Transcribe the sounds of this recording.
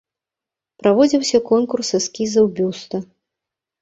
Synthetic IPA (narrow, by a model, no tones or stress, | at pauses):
pɾavɔd͡zʲiwsʲɐkɔnkursɨskʲizɐwbʲust̪ɐ